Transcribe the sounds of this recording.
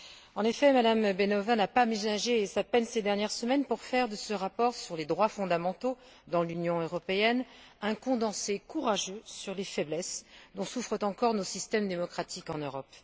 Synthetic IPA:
ɑ̃nefɛmad̪ambenɔvanapamelaʒesapɛnsed̪ɛʁnjɛʁsəmɛnpuʁfɛʁd̪əsəʁapɔʁsyʁled̪ʁwafɔ̃d̪amɑ̃t̪o | d̪ɑ̃lynjɔ̃øʁɔpeɛnɛ̃kɔ̃d̪ɑ̃sekuʁaʒøsyʁlefɛblɛsd̪ɔ̃sufχət̪ɑ̃kɔʁnosist̪ɛmd̪emɔkχat̪ʰikɑ̃nøʁɔp

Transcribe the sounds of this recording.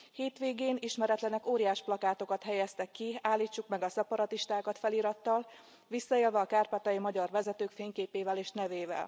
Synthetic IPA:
heːt̪ʋeːɡeːniʃmɛɾɛt̪lɛnɛkoːɾijaːʃplɒkaːt̪o̞kɒt̪ɦɛjɛst̪ɛkːiaːlːiːt͡ʃːukmɛɡɒsɛpɒɾɒt̪iʃt̪aːkɒt̪fɛliːɾɒt̪ːɒl | ʋisːɒeːlvɛɒkaːrpat̪ɒjimɒɟɒrʋɛzɛt̪øːkfeːɲkeːpeːvɛleːʃnɛveːvɛ̰l

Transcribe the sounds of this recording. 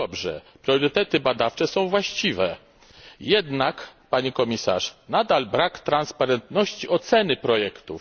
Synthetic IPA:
ɔbʐɛ̰pɾʲjɔɾɘt̪ɛt̪ɘbad̪aft͡ʂɛsɔ̃w̃vwaɕt͡ɕivɛ | jɛd̪nakpaɲikɔmʲisa̰ʂnad̪albɾakt̪ɾanspaɾɛnt̪nɔɕt͡ɕiɔt̪sɛnɘpɾɔjɛkt̪ṵf

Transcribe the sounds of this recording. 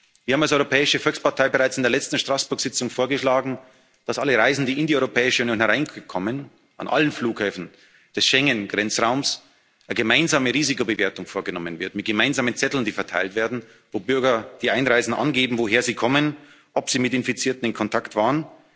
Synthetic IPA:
viɐhaːmals̬ɔʏʁopʰɛːɪʃəfɔlkspaɐtʰaɪbəʁaɪt͡sɪndeːɐlɛt͡stn̩ʃtʁ̥asb̥ʊɐkz̥ɪt͡sʊŋfoːɐɡəʃlaːɡŋ̩ | d̥asʔaləʁaɪzn̩diːɪndiɔʏʁopʰɛːɪʃəunjoːnhɛɐʁaɪnkʰɔmən | ʔa̰nʔa̰lənfluːkhɛːfn̩ | d̥ɛsʃɛŋənɡ̥ʁɛnt͡sʁaʊms | ʔəɡəmaɪnzaːməʁiːzɪkobəveːɐtʊŋfoːɐɡənɔmənvɪɐtmɪt̚ɡ̥əmaɪnzaːmənt͡sɛtl̩ndiːfɛɐtʰa̰ɪltv̥eːɐdn̩ | voːbʏɐɡɐd̥iːʔaɪnʁaɪzn̩ʔa̰nɡeːbm̩voɦeːɐziːkʰɔmən | ʔɔpz̥iːmɪtɪnfit͡siːɐtn̩ɪnkʰɔntʰaktv̥aːʁən

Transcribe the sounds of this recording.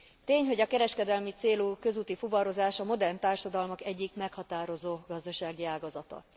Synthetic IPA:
t̪eːɲɦo̞ɟɒkɛɾɛʃkɛd̪ɛlmit̪seːluːkø̞zuːt̪ifuvɒɾo̞zaːʃɒmo̞d̪ɛrnt̪aːrʃɒd̪ɒlmɒkɛɟːikmɛkhɒt̪aːɾo̞zoːɡɒzd̪ɒʃaːɡiaːɡɒzɒt̪ɒ̰

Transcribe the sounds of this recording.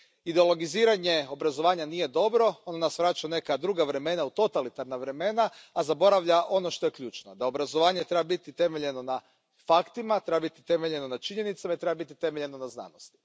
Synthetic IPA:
id̪eo̞lˠo̞ɡiziːɾaɲe̞o̞bɾazo̞ʋaːɲanije̞d̪o̞bɾo̞onanasʋɾat͡ʃaune̞kad̪ɾuːɡaʋɾe̞me̞naut̪o̞t̪alit̪aɾnaʋɾe̞me̞naːzabo̞ɾaʋʎaʔo̞no̞ʃt̪o̞je̞kʎuːt͡ʃnod̪ao̞bɾazoʋaːɲe̞t̪ɾe̞babit̪it̪e̞me̞ʎe̞no̞na | fakt̪imat̪ɾe̞babit̪it̪e̞meʎe̞no̞nat͡ʃiɲe̞nit̪samait̪ɾe̞babit̪it̪e̞me̞ʎe̞no̞nazna̰ːnost̪i̥

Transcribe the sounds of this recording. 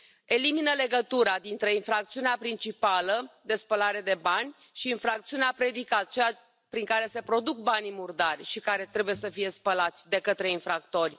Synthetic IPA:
e̞liminəle̞ɡət̪uɾad̪int̪ɾe̞infɾak̚t̪siuneapɾint͡ʃipaləd̪e̞spəlaɾe̞d̪e̞banʲ | ʃiːnfɾak̚t̪siuneapɾe̞d̪ikat̪t͡ʃea | pɾiŋkaɾe̞se̞pɾo̞d̪uk̚banmurd̪arʲʃikaɾe̞t̪ɾe̞buje̞səfije̞spəlat̪sʲd̪e̞kət̪ɾe̞infɾakt̪o̞rʲ

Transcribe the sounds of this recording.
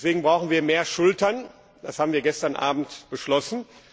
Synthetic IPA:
sv̥eːɡŋ̩bʁaʊxn̩viːɐmeːɐʃʊltɐn | d̥ashaːbm̩viːɐɡɛstɐnʔa̰ːbm̩tb̥əʃlɔsn̩

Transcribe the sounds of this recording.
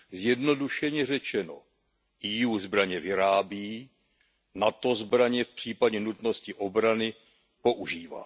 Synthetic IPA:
zjɛdno̞duʃɛɲɛr̝ɛt͡ʃɛno̞̰ | ʔijuːzbɾaɲɛvɪɾaːbjiː | nat̪o̞zbɾaɲɛfpr̝̥iːpaɟɛnut̪no̞scɪʔo̞bɾanɪ | po̞ʔuʒiːva̰ː

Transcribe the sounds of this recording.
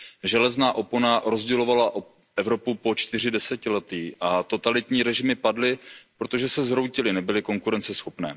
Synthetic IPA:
ʒɛlɛznaːʔo̞ponaɾo̞zɟɛlo̞valaʔo | ʔɛvɾo̞pupo̞t͡ʃt̪ɪr̝ɪdɛsɛcɪlɛt̪iːʔat̪o̞t̪alɪt̪ɲiːɾɛʒɪmɪpadlɪpɾo̞t̪o̞ʒɛsɛzɾowcɪlɪnɛbɪlɪko̞ŋkuɾɛnt͡sɛsxo̞pnɛː

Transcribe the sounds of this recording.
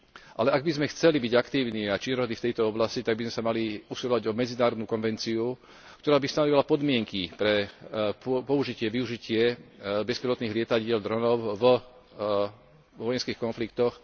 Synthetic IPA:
ʔa̰lɛʔaɡ̚bizmɛxt͡sɛlibiɟakt̪iːʊniat͡ʃinɔɾɦɔd̪iːft̪ɛjt̪ɔɔblascit̪aɡ̚bizmɛsamaliusilɔʋaɟɔmɛd͡zinaːɾɔd̪nukɔnʋɛnt͡siu | kt̪ɔɾaːbist̪anɔʋilapɔd̪mɪɛŋkipɾɛ | pɔuʒicɪɛʋiuʒicɪɛbɛspɛɾlɔt̪niːɦlɪɛt̪aɟɪɛld̪ɾɔnɔʊv | ʋɔjɛnskiːxkɔnflik̚t̪ɔx

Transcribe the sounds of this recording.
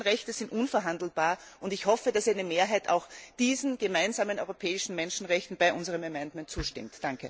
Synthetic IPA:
n̩ʁɛçtəz̥ɪntʔʊnfɛɐɦandl̩b̥aːɐʔʊntɪçhɔfəd̥asɛnəmeːɐɦaɪta̰ʊxd̥iːzn̩ɡ̥əmaɪnzaːmənɔʏʁopʰɛːɪʃn̩mɛnʃn̩ʁɛçtn̩baɪʔʊnzəʁəmɐmɛndmɛ̃ntt͡suːʃtɪ̰mtd̥aŋkə

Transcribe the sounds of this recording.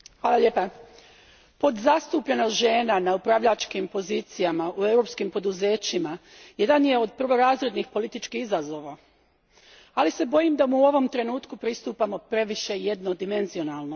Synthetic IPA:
xʋaːlaʎe̞ːpa | po̞d̪zast̪uːpʎenoʒe̞ːnanaupɾaʋʎat͡ʃkimpo̞ziːt̪sijamaue̞wɾo̞pskimpo̞d̪uze̞ːt͡ɕima | je̞d̪anje̞o̞d̪̚pr̩ʋo̞ɾaːzɾe̞d̪nixpo̞lit̪it͡ʃkihizazo̞ʋa | alise̞bo̞jimd̪amuo̞ʋo̞mt̪ɾe̞nuːt̪kupɾist̪uːpamo̞pɾe̞ʋiʃe̞jed̪no̞d̪ime̞nzio̞nalˠno̞

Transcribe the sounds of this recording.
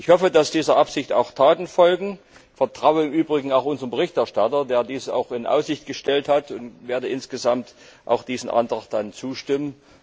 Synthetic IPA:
ʔɪçhɔfədasd̥iːzɐʔapsɪçta̰ʊxtʰaːtn̩fɔlɡŋ̩ | fɛɐtʁ̥aʊəɪmʔyːbʁɪɡŋ̩aʊxʔʊnzəʁənbəʁɪçtɛɐʃtatɐdeːɐdiːsa̰ʊxɪnʔa̰ʊsz̥ɪçt̚ɡ̥əʃtɛlthatʊntv̥eːɐdəʔɪnsɡ̥əzamtʔa̰ʊxd̥iːzn̩ʔa̰ntʁ̥axt̚d̥ant͡suːʃtɪmən

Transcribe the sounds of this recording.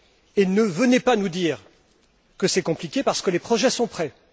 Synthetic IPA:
enəvənepanud̪iːʁ | kəsɛkɔ̃plikʲepaʁsə̥kəlepχɔʒɛsɔ̃pχɛ

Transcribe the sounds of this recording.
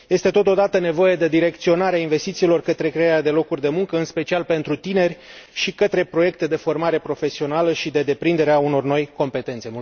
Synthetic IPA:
je̞st̪e̞t̪o̞t̪o̞d̪at̪əne̞vo̞je̞d̪e̞d̪iɾe̞k̚t̪sio̞naɾeainve̞st̪it̪silo̞rkət̪ɾe̞kɾeaɾead̪e̞lo̞kurʲd̪e̞muŋkəɨnspe̞t͡ʃialpe̞nt̪ɾut̪ine̞rʲ | ʃikət̪ɾe̞pɾo̞je̞k̚t̪e̞d̪e̞fo̞rmaɾe̞pɾo̞fe̞sio̞naləʃid̪e̞d̪e̞pɾind̪e̞ɾeauno̞rno̞jko̞mpe̞t̪e̞nt̪se

